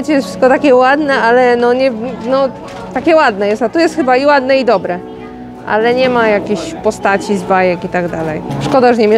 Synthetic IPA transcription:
t͡ɕɛjɛst̪fʂɘ̥st̪kɔt̪akʲɛwad̪nɛalɛnɔɲɛnɔ | t̪akʲɛwad̪nɛjɛst̪at̪ɔjɛst̪xɘbaiwad̪nɛid̪ɔbɾɛ | ʔa̰lɛɲɛmajakʲeɕpɔst̪at͡ɕizbajɛkit̪aɡd̪alɛ̰jʂkɔd̪aʐɛɲɛmʲɛ

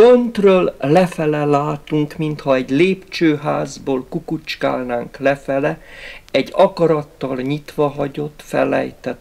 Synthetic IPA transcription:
ønt̪røːllɛfɛlɛlaːt̪uŋkmint̪hɒɛɟleːpt͡ʃøːɦaːzboːlkukut͡ʃkaːlnaːŋklɛfɛlɛɛɟːɒkɒɾɒt̪ːɒlɲit̪ʋɒɦɒɟo̞t̪ːfɛ̰lɛ̰jt̪ɛt̪

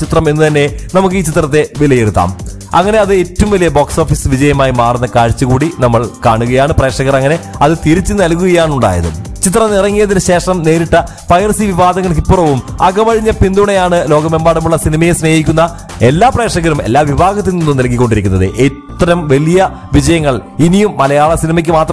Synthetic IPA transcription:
t͡ɕit̪rɐme̞nːɨt̪ɐnːe̞nɐmuk̬ːɨiːt͡ɕit̪rɐt̪ːe̞ʋilɐjiɾut̪ːa̰ːm | ɐŋːɐne̞ɐðɨetːɐʋumʋɐlijɐboːkso̞ːfisʋid͡ʑɐjɐmaːjimaːrunːɐkaːɻt͡ɕːuɣuːɽinɐmːɐɭkaːɳuɣɐjaːɳɨpre̞ːʂɐɣɐrɐŋːɐne̞ɐðɨt̪iɾit͡ɕːɨnɐlkuɣɐjaːɳuɳɖa̰ːjɐ̰ðɨ̰t͡ɕit̪rɐmnirɐŋːijɐðinɨɕe̞ːʂɐmne̞ːɾiʈːɐ | pɐjɐrsiʋiʋaːd̪ɐŋːɐɭk̬ipːurɐʋumɐɡɐmɐɻiɲːɐpind̪uɳɐjaːɳɨlo̞ːɡɐmembaːɽumuɭːɐsinimɐjesne̞ːhikʲːunːɐ | e̞lːaːpre̞ːkʂɐɣɐɾume̞̰lːaːʋibʱaːɡɐt̪ːilninːumnɐlkːikːoɳɖiɾikʲːunːɐðɨ̰ʔet̪ːɐɾɐmʋɐlijɐ | ʋid͡ʑɐjɐŋːɐɭinijumːɐlɐjaːɭɐsinimɐk̬ʲːɨmaːt̪r

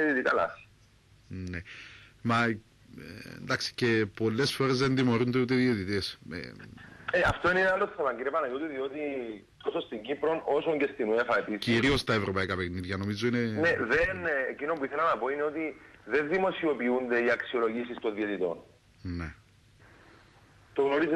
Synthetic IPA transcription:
et̪it̪ikɐlɐ̰s | nemɐ | ḛnd̪ɐksi̥ce̞po̞lːe̞sfo̞ɾe̞zðe̞nðimo̞ɾund̪eut̪eðio̞t̪it̪e̞sḛeɐft̪o̞ineinealːost̪i̥ɐpɐɲɟiɾiɐpɐnɐjot̪iðio̞t̪i | t̪osost̪iɲɟipɾo̞no̞soɲɟe̞st̪inuefɐt̪isciɾio̞st̪ɐe̞vɾo̞pɐikɐpekniðʝɐno̞mizo̞inene̞ðenecino̞mpuiθelɐnɐpo̞ine̞o̞t̪iðe̞nðimo̞sio̞piund̪e̞iɐksio̞lo̞ʝisist̪o̞nðie̞t̪it̪o̞̰n | ne | t̪oɣno̞ɾiz

